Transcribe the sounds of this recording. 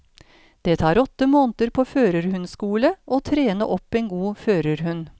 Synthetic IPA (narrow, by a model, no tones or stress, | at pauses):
d̪̥eːt̪ʰɑːɾɔt̪ːəmoːnt̪əɾpʰoːføːɾəɾhʉnskuːləʔoːt̪ʰɾeːnə̰ʔɔpːeːnɡuːføːɾəɾhʉn